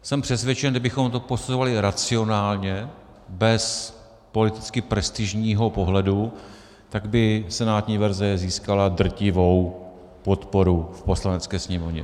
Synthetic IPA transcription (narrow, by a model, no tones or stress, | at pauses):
sɛmpr̝̥ɛsvjɛt͡ʃɛndɪbɪxo̞mt̪o̞po̞suzovalɪɾat͡sɪo̞naːlɲɛ | bɛs | po̞lɪt̪ɪt͡skɪpɾɛst̪ɪʒɲiːɦo̞po̞ɦlɛdu | t̪aɡbɪsɛnaːt̪ɲiːvɛɾzɛziːskaladr̩cɪvo̞w | po̞t̪po̞ɾufpo̞slanɛt͡skɛːsɲɛmo̞vɲɛ̰